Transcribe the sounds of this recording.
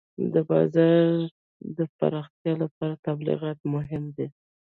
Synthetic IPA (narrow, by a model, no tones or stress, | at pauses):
d̪əbɑ̰zɑɾ | d̪əpa̰ɾɑxt̪jɑlapɑɾat̪ablɪ̰ɣɑt̪mʊɦɪmd̪e